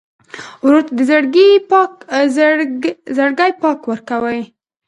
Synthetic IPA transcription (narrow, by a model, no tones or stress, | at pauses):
wɾoɾt̪ad̪əzəɽɡipk | zəɽɡajpɑkwəɾkawəj